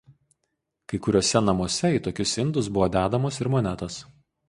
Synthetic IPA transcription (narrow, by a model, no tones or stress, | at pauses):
kɐɪkʊɾʲoɔːsʲɛnɐmoɔsʲɛiːˑt̪oːkʲʊsɪnd̪ʊs̬bʊʋɔːd̪ʲæːd̪ɐmoːsɪɾmɔnʲɛt̪os